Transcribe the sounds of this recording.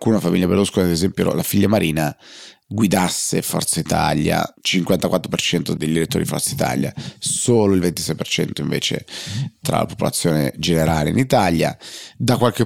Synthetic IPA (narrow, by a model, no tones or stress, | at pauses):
kunafamḭʎːapɾed̪uskonaad̪ezɛmpjo̰lʔafiʎːamaɾʔiːnaɡwid̪asːefɔ̰rt̪sait̪a̰lja̰t͡ʃiŋkwant̪akwat̪ːɾopert͡ʃɛnt̪od̪eʎd̪iɾet̪ːoːɾiifɔ̰rt̪sait̪a̰ːlja̰soːloilvent̪i̥sɛjpert͡ʃɛnt̪oiɱvḛːt͡ʃḛt̪ɾa̰la̰po̥polat̪sːjoːnḛd͡ʒeneɾaːlḛḭnit̪alja̰d̪akwalke